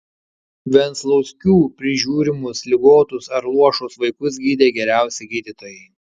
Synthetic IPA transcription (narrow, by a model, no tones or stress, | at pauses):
ʋʲɛnslˠɐʊsʲkʲuːpʲɾʲɪʒʲuːɾʲɪmʊslʲɪɡoːt̪ʊsɐɾlˠuɔʃʊsʋɐɪkʊs̬ɡʲiːd̪ʲeːɡʲɛɾʲæˑʊsʲɛɡʲiːd̪ʲit̪oːjɛɪ